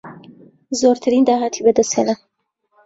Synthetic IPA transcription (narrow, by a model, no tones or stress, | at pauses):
zoɾt̪ʰaɾind̪aɦat̪ʰibəd̪əsela